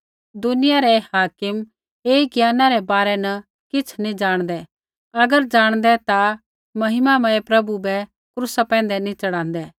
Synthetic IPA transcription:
d̪ʊnɪjaɾɛhaːkɪm | eːiɡjaːnaɾɛbaːɾɛnɐ | kɪt͡sʰnĩd͡ʒaːɽ̃d̪ɛ | ɐɡəɾd͡ʒaːɽ̃d̪ɛt̪a | mɐɦɪmamɐ̃epɾɐbubɛ | kɾusapɛ̃ːn̆d̪ɛnĩt͡ʃɐɽãːnd̪ɛː

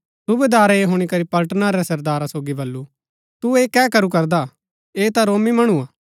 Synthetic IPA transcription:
subeːd̪aːɾeɦʊːɽ̃ikɐɾipɐlʈnaɾɛsɐɾd̪aːɾasoːɡibɐlːu | t̪ueːkɛːkɐɾukɐɾd̪a | eːt̪aɾoːmimɐɽ̃uaː

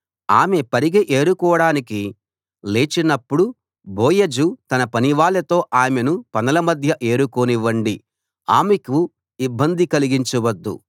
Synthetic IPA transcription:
aːmepɐɾiɡeʔeːɾukɔːɐɽaːniki | le̞ːt͡ʃinɐpːuɽu | boːjɐd͡ʒut̪ɐnɐpɐniʋaːlɐt̪o̞ːʔaːmenupɐnɐlɐmɐd̪ʱjɐʔe̞ːɾukoniʋɐɳɖi | aːmeku | ibːɐnd̪ikɐliɡiɲt͡ʃuʋɐd̪ːṵ

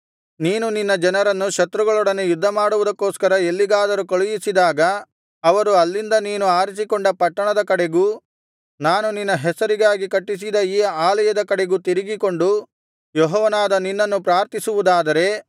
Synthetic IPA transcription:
niːnuninːɐd͡ʒɐnɐɾɐnːuʃɐt̪ɾuɡɐɭɔɽɐnejud̪ʱːɐmaːɽuʋud̪ɐkːoːskɐɾɐelːiɡaːd̪ɐɾukoɭujisid̪aːɡɐ | ɐʋɐɾuɐlːind̪ɐniːnuaːɾisikoɳɖɐpɐʈːɐɳɐd̪ɐkɐɽeɡuː | naːnuninːɐɦɛsɐɾiɡaːɡikɐʈːis̬id̪ɐiːaːlɐjɐd̪ɐkɐɽeɡut̪iɾiɡiko̞ɳɖu | jɔɦɔːʋɐnaːd̪ɐninːɐnːupɾaːɾt̪isuʋud̪aːd̪ɐɾe̞

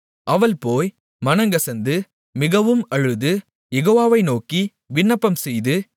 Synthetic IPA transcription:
ʔɐʋɐlpoːj | mɐnɐŋɡɐsɐnd̪ɯ | mɪɣɐʋɯmɐɻɯðɯ | jɛɣoːʋaːʋɐɪnoːki | ʋɪɳːɐpːɐmsɛjðɯ

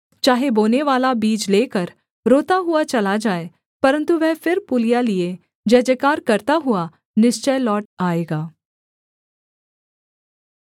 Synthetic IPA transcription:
t͡ʃaːɦeboːneʋaːlabiːd͡ʒleːkəɾ | ɾoːt̪aɦuat͡ʃɐlad͡ʒaːe | pɐɾə̃nt̪uʋɛɦfɪɾpʊlijalie | d͡ʒɐːd͡ʒekaːɾkɐɾt̪aɦʊa | nɪst͡ʃəlɔːʈaːeːɡaː

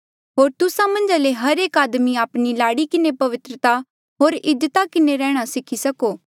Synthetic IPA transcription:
ɦoːɾt̪ʊsãmɐ̃nd͡ʒaleɦɐɾeːkaːd̪miaːpnilaːɽikɪnepɐʋɪt̪ɾət̪a | ɦoːɾɪd̪ət̪akɪneɾɛːɽ̃asɪkʰisɐkoː

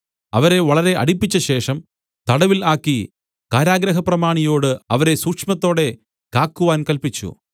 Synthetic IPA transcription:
ɐ̰ʋɐɾe̞ʋɐɭɐɾe̞ʔɐ̰ɽipːit͡ɕːɐɕe̞ːʂɐm | t̪ɐɽɐʋilaːkːi | kaːɾaːɡɾɐɦɐprɐmaːɳijo̞ːɽɨɐʋɐɾe̞suːkʂmɐt̪ːo̞ːɽe̞ | kaːkːuʋaːnkɐlpit͡ɕːṵ

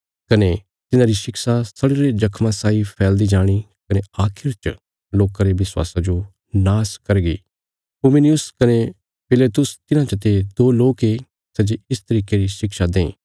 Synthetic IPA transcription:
kɐne | t̪ɪnãɾiʃɪksasɐɽeɾed͡ʒɐkʰmãsaːipʰɛːld̪id͡ʒaːɽ̃i | kɐneaːkʰɪɾt͡ʃ | loːkãɾeʋɪswa̰ːsad͡ʒo | naːskɐɾɡḭː | pʊmɪniʊskɐne | pʰɪleːt̪ʊst̪ɪnãt͡ʃɐt̪ed̪oːloːke | sɛd͡ʒeɪst̪ɐɾiːkeɾiʃɪkʃad̪ẽː

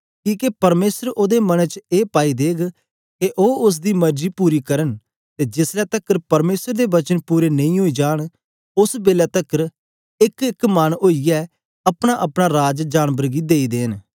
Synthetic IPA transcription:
kiːkepɐɾmeːsəɾoːd̪eːmənət͡ʃeːpaːid̪eːɡ | keʔoːʊs̬d̪iːmɐɾd͡ʒiːpuːɾiːkəɾən | t̪eːd͡ʒɪslɛːt̪əkəɾpɐɾmeːsəɾd̪eːʋɐt͡ʃənpuːɾeːnɐ̃ĩːɦoːid͡ʒaːɽ̃ | ʊsbeːlɛːt̪əkəɾ | ɪkɪkmanoːijɛː | ɐpɽ̃aːʔəpɽ̃aɾaːd͡ʒd͡ʒaːnbəɾɡiːd̪eːid̪eːn

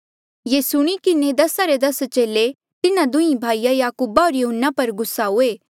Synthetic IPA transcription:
jeːsʊɽ̃ikɪned̪ɐsaɾed̪ɐst͡ʃeːle | t̪ɪnãd̪ʊĩbʱaːijajaːkuːbaɔːɾjoɦənːapɐɾɡʊsːaɦʊeː

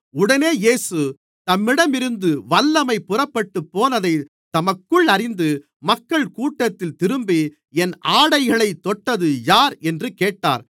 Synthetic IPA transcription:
ʊɽɐneːjeːsɯ | t̪ɐmːɪɽɐmɪɾɯnd̪ɯʋɐlːɐmɐɪpːʊrɐpːɐʈːɯpːoːnɐðɐɪ | t̪ɐmɐkːɯɭɐɾɪnd̪ɯ | mɐkːɐɭkuːʈːɐt̪ːɪlt̪ɪɾɯmbi | ɛnaːɽɐɪɣɐɭɐɪt̪ːɔʈːɐðɯjaːɾɛndrɯkeːʈːa̰ːɾ

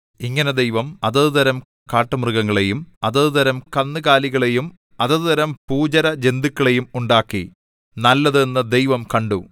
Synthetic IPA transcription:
iŋːɐned̪ejʋɐmɐðɐðɨðɐɾɐm | kaːʈːɐmrɨɣɐŋːɐɭejumɐðɐðɨðɐɾɐmkɐnːɨɣaːliɣɐɭejum | ɐðɐðɨðɐɾɐmpuːd͡ʑɐɾɐd͡ʑe̞nd̪ikʲːɐɭe̞jumuɳɖaːkːḭ | nɐlːɐðenːɐd̪ejʋɐmkɐɳɖu

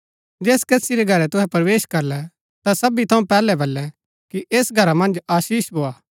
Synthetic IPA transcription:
d͡ʒeːskɐsiɾɛɡʱɐɾɛt̪ʊɦɛpɾʋeːʃkɐɾlɛ | t̪asɐbit̪ʰɐũpɛːlɛbɐlːɛ | kiʔeːsɡʱɐɾamɐ̃nd͡ʒaːʃiːʃbʱoːaː

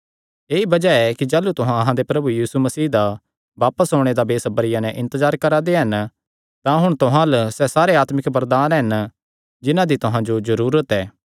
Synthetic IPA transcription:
eːibɐd͡ʒaɛkid͡ʒaːlut̪ʊɦãɐɦãd̪epɾɐbujiːsumɐsiːd̪a | ʋaːpəsɦoːɽ̃ed̪abeːsɐbəɾɪjãnɛ̃ʔɪ̃nt̪əzaːɾkɐɾad̪eɦɐn | t̪ãɦʊɽ̃t̪ʊɦãləsɛsaːɾeaːt̪mɪkbɐɾd̪aːnɦɐn | d͡ʒɪnãd̪it̪ʊɦãd͡ʒozɐɾuːɾət̪ɛː

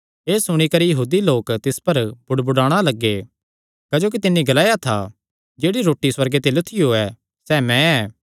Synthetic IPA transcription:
eːsʊɽ̃ikɐɾijɐɦuːd̪iloːkt̪ɪspɐɾbʊɽbʊɽaːɽ̃alɐɡːe | kɐd͡ʒoːk̬it̪ɪnːiɡɐlaːjat̪ʰa̰ | d͡ʒeːɽiɾoːʈːiswɐɾɡet̪elʊt̪ʰɪjoɛː | sɛːmɛ̃ɛː

